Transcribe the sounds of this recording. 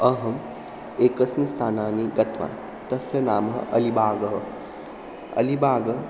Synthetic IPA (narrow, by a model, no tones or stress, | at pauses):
ɐɦɐm | eːkɐsmist̪ʰaːnaːniɡɐt̪ʋa̰ːn | t̪ɐsjɐnaːmɐɦɐ̰ɐlibʱaːɡɐɦɐ | ɐ̰libaːɡɐ